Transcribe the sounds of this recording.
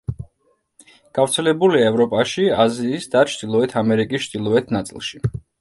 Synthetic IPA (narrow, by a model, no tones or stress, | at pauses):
ɡ̥avɾt̪sʰɛlɛbuliaɛvɾɔpʼaʃiaziːsd̪at͡ʃʰd̪̥ilˠɔɛt̪ʰamɛɾikʼist͡ʃʰd̪̥ilˠɔɛt̪ʰnat̪sʼḭlˠʃi